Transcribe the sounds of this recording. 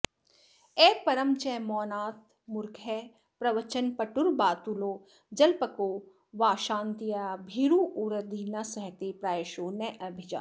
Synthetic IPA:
ɛːpɐɾəmt͡ʃɛmɔːnaːt̪ | mʊɾkʰɛ | pɾɐʋət͡ʃənpɐʈʊɾbaːt̪uloː | d͡ʒɐlpəkoː | ʋaːʃãːnt̪ijabʱiɾuʔuɾəd̪inɐsɐɦt̪epɾaːʃoːnɛʔɐbʱɪd͡ʒa̰ː

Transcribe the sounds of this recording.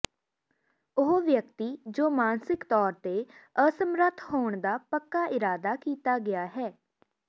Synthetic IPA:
ʊɦoʋjəkt̪iːd͡ʒoːmaːnsɪkt̪ɔːɾt̪eːəsəmɾət̪ʰhoːɳd̪aːpəkːaːʔɪɾaːd̪aːkiːt̪aːɡɪjaːɦɛː

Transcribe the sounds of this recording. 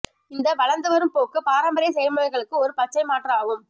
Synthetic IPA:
ɪnd̪ɐʋɐɻɐnd̪ɯʋɐɾɯmpoːkːɯpaːɾɐmbɐɾɪjɐs̬ɛjɐlmɐɐɪɣɐɭɯkːɯɔɾɯpɐt͡ʃːɐɪmaːʈrɐaːɣɯm

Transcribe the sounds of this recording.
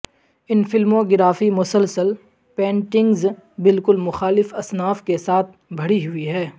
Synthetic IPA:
ɪnfɪlmõɡɪɾaːfimʊsəlsəl | pɛ̃ːɳʈɪ̃ŋɡzbɪlkʊlmʊxaːlɪfɐsnaːfkesaːt̪̚ʰbʱɐɽiɦʊiɦɛː

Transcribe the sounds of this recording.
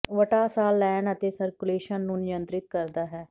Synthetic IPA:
ʋəʈaːsaːlːɛːɳət̪eːsəɾkʊleːʃənːũːnɪjənt̪ɾɪt̪̚kəɾd̪aːɦɛː

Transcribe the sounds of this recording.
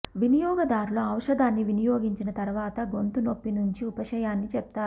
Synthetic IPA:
ʋinijɔːɡɐd̪aːɾuloɐwʂɐd̪aːnːiʋinijoːɡiɲt͡ʃinɐt̪ɐɾʋaːt̪ɐɡo̞nt̪uno̞pːinuɲt͡ʃiupɐʃɐjaːnːit͡ʃɛp̚t̪aːɾu

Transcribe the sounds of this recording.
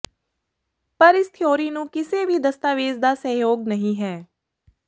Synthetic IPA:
pəɾɪst̪ʰjoːɾiːnũːkɪseːʋiːd̪əst̪aːʋeːzd̪aːsəɦjoːɡ̚nəɦĩːɦɛː

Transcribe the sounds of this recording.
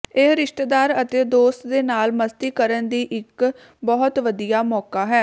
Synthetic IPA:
eɾɪʃʈd̪aːɾət̪eːd̪oːst̪d̪eːnaːlməst̪iːkəɾənd̪iːʔɪk | bɔɦʊt̪ʋəd̪ijaːmɔːkaːɦɛː

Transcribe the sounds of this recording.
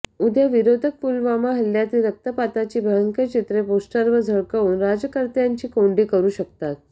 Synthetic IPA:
ud̪ʱjəʋiɾod̪ʱək̚fulʋamaɦəlːjat̪iːɾək̚t̪əpat̪at͡ɕiːbʱəɭəŋkət͡ɕʰit̪ɾeposʈəɾʋəd͡zʱəɭkəuːnɾad͡ʑəkəɾt̪jaɲt͡ɕiːkoɳɖikəɾuːɕək̚t̪at̪̚

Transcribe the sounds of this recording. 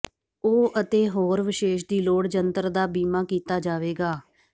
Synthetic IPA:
oːʔət̪eːɦoːɾʋɪʃeːʃ̬d̪iːloːɽd͡ʒənt̪əɾd̪aːbiːmaːkiːt̪aːd͡ʒaːʋeːɡaː

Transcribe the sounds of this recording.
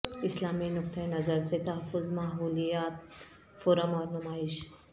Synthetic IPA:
islaminuk̚t̪ʰajnɐzəɾset̪ɐɦəfːuzmaɦulijat̪̚ | foɾəmɔɾnumaiɕ

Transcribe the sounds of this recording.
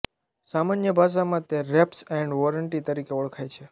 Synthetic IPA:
samanjəbʱaʃ̬amãt̪eɾɛpsɛɳɖʋɔɾəɳʈit̪əɾikeɔɭkʰajt͡ʃʰe

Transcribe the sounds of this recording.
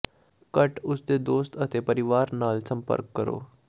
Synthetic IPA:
kəʈusd̪ed̪oːst̪ət̪epəɾiʋaːɾnaːlsəmpə̰ɾkːəɾo̰ː

